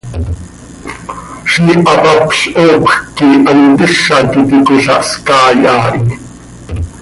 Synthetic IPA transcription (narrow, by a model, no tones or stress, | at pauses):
ʃiːʔɑpɑpɬʔoːpxkːiʔɑnt̪əʃːɑt̪it̪ikoɬɑ̰ʔskɑːjʔɑːʔi